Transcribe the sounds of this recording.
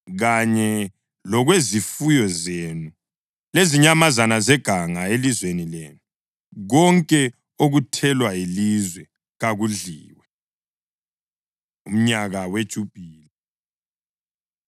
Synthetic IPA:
ɣaɲɛ | lɔɣwezifujɔzenu | leziɲamazanazɛɡ̥ʱaŋaelizwenileːnu | ɣɔŋkʼɛ | oɣutʰɛlwailizwɛ | ɣaɣuɮiːwɛ | um̩ɲaɣawed̥ʒ̥ʱub̥ʱiːla

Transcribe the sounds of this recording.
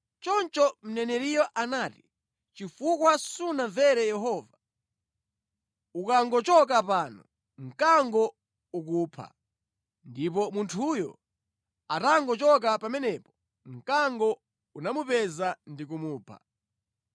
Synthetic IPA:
t͡ʃɔnt͡ʃɔm̩nɛnɛɾijɔʔanati | t͡ʃifukwasunaɱvɛɾɛjɛɦɔːva | ukaŋɡɔt͡ʃɔk̬apaːnɔ | ŋ̩kaŋɡɔ | uk̬upʰa̰ | ndip̬ɔmuntʰujɔ̰ | ataŋɡɔt͡ʃɔk̬apamɛnɛpɔ̥ | ŋ̩kaŋɡɔ | unamupɛzandik̬umuːpʰa̰

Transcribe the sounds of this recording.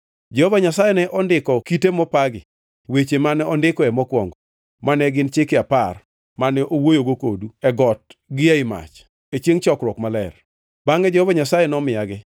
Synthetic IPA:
d͡ʒɛhovaɲasajɛnɛʔɔndɪkɔkitemɔpaɡɪ | wet͡ʃemanɛɔndɪkɔɛmɔkwɔŋɡɔ | manɛɡɪnt͡ʃɪkɪapar | manɛʔowojoɡokoduɛɡɔt̚ɡɪaɪma̰t͡ʃ | et͡ʃjeŋt͡ʃɔkɾwɔkmalɛr | b̥aŋɛd͡ʒehovaɲasajɛnɔmɪjaɡɪ

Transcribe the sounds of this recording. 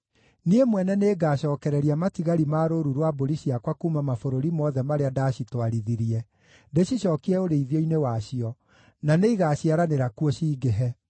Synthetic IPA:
niemwɛnɛneːɡaɕɔːkɛɾɛɾiamatiɣaɾimaːɾoɾuɾwaboɾiɕiakwakuːmamafoɾoɾimɔðɛmaɾeadaɕitwaɾiðiɾiɛ | deɕiɕɔːkiɛoɾeiðjɔinewaɕiɔ | naneiɣaːɕiaɾaneɾakuɔɕiːɡeɦɛ

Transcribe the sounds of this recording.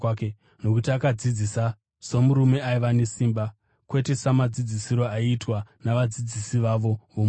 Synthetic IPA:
ke | no̞kutiakad͡zid͡zisa | so̞muɾume̞aiʋane̞siːmba | kwe̞te̞samad͡zid͡zisiɾo̞aiːtwanaʋad͡zid͡zisiʋaʋo̞ʋom

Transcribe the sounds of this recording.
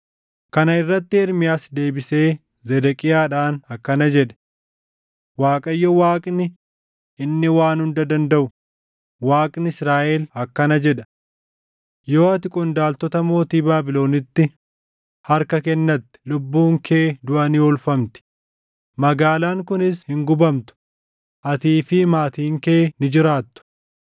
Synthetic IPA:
kɐnɐɪrːɐt̪ːɪɛɾmɪjaːsd̪e̞ːbɪse̞ː | zɛd̪ɛkʼɪjaːᶑaːnɐkːɐnɐd͡ʒɛᶑɛ̥ | waːkʼɐjːɔwaːkʼnɪ | ɪnːɪwaːnhʊnd̪ɐd̪ɐnd̪ɐʔʊ | waːkʼnɪɪsɾaːʔɛlɐkːɐnɐd͡ʒɛᶑɐ̥ | jo̞ːɐt̪ɪkʼɔnd̪aːlt̪ɔt̪ɐmo̞ːt̪iːbaːbɪlo̞ːnɪt̪ːɪ | hɐɾkɐkɛnːɐt̪ːɪ̥lʊbːuːŋkʰeːd̪ʊʔɐnɪɔlfɐmt̪ɪ̥ | mɐɡaːlaːŋkʊnɪshɪŋɡʊbɐmt̪ʊ̥ | ʔɐt̪iːfɪmaːt̪iːŋkeːnɪd͡ʒɪɾaːt̪ːʊ̥

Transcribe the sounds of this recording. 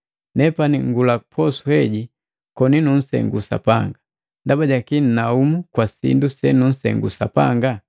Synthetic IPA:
nɛpaniŋɡulaupʰɔsuhɛɟi | kɔninun̩sɛ̰ŋɡusa̰paŋɡa | ndabaɟakinnaumukwasḭndusɛnun̩sɛ̰ŋɡṵsapa̰ŋɡa

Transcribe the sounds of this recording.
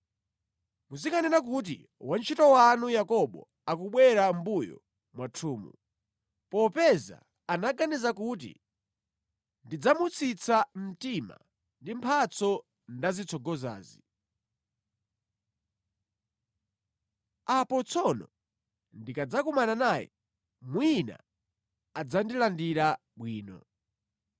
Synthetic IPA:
musikanɛnak̬ut̬ḭ | want͡ʃʰitɔwanujakɔɓɔ̰ | akuɓwɛɾambujɔ̰ | mwatʰuːmṵ | pɔpɛza̰ | anaɡanizakut̬ḭ | ndid͡zamut͡sit͡sam̩tima̰ | ndimpʰat͡sɔ | ndazit͡sʰɔɡɔza̰ːzi | apɔt͡sʰɔnɔ̰ | ndikad͡zakumananaːjɛ̰ | mwina̰ | ad͡zandilandiɾa | ɓwiːnɔ̰

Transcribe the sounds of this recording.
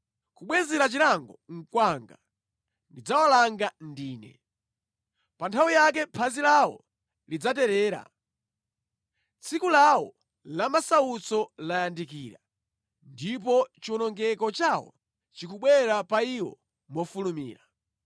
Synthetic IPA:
kuɓwɛzɛɾat͡ʃiɾaŋɡɔŋ̩kwaŋɡa | ndid͡zawalaŋɡandiːnɛ̰ | pantʰawijak̬ɛpʰazilawɔ̰ | lid͡zatɛɾɛːɾa̰ | t͡sʰikulawɔ | lamasaut͡sɔlajandikiːɾa | ndip̬ɔt͡ʃiɔnɔŋɡɛkɔt͡ʃawɔ̰ | t͡ʃikuɓwɛɾapaiwɔ̰ | mɔfulumḭːɾa

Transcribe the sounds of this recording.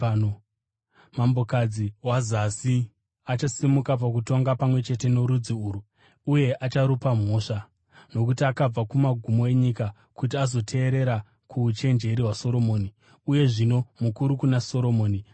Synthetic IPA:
mambo̞kad͡ziwazasi | at͡ʃasimukap̬ak̬uto̞ŋɡapamwe̞t͡ʃe̞te̞no̞ɾud͡ziuːɾu | uje̞ʔat͡ʃaɾupam̤o̞ːʂa | no̞kutiakab͡vakumaɡʱumo̞e̞ɲika | kut̬iazo̞tʰe̞ːɾe̞ɾa | kʰuːt͡ʃe̞nd͡ʒe̞ɾiɦwaso̞ɾo̞mo̞ːni | uje̞ʐino̞mukuɾukunaso̞ɾo̞mo̞ːni

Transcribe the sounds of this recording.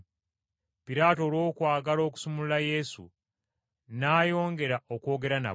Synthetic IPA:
piɾaːto̞ːɾo̞ːkwaːɡalo̞ːku̥sumululaje̞sṵ | naːjo̞ːŋɡe̞ɾaʔokwo̞ːɡe̞ɾana̰

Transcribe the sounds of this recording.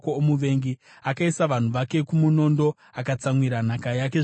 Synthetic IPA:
koːmuʋe̞ŋɡi | akaisaʋan̤uʋake̞kumuno̞ndo̞ | akat͡samwiɾanakajak̬e

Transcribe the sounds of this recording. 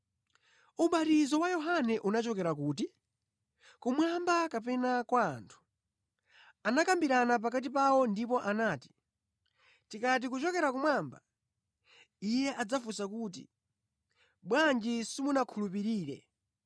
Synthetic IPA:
uɓatizɔwajɔɦanɛʔunat͡ʃɔkɛɾakuːti | kumwambakapɛnakwa̰ːntʰu̥ | anakambiɾanap̬akat̬ipawɔndipɔʔanaːti̥ | tikat̬ikut͡ʃɔkɛɾakumwaːmba | ijɛʔad͡zafusakuːt̬ḭ | ɓwand͡ʒisimunakʰulupiɾiːɾɛ̰

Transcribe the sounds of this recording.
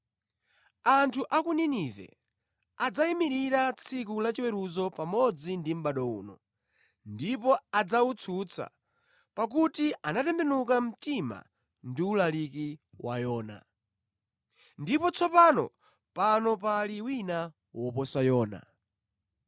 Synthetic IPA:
antʰuʔakuninivɛ̰ | ad͡zaimiɾiɾat͡sʰik̬ulat͡ʃiwɛɾuzɔpamɔd͡zindim̩ɓaɗɔṵːnɔ̰ | ndipɔad͡zawut͡sʰut͡sʰa̰ | pak̬utiʔanatɛmbɛnuk̬am̩tima̰ | ndiulaliki | wa̰jɔːna̰ | ndipɔt͡sʰɔpanɔ̰ | panɔpaliwina | wɔpɔsajɔːna̰

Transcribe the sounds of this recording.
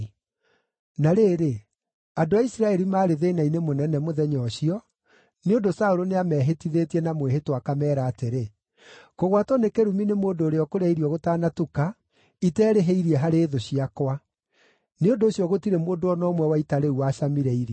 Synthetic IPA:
naɾeːɾe | adoaisiɾaɛɾimaːɾeðeːnainemonɛnɛmoðɛɲɔɕiɔ | neondosaoɾoneamɛːɦetiðetiɛnamweɦetwakamɛːɾaːteɾe | koɣwatɔnekeɾuminemoːndoːɾeɔkoɾɛiɾiɔɣotaːnatuka | itɛːɾeɦeiɾiɛɦaɾeːðoɕiakwa | neondoːɕjɔɣotiɾemoːndoɔnɔmwɛwaitaɾeuwaːɕamiɾɛiɾi

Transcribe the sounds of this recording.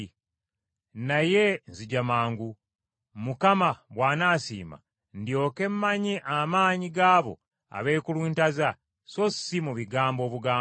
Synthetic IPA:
naje̞nziɟamaːŋɡu | mukamaβwaːnaːsḭːma̰ | ndjo̞ːke̞mːaɲiʔamaːɲiɡaːβo̞̰ | a̰βe̞ːkulwiːntaza | so̞simuβiɡaːmbo̞ːβuɡaː

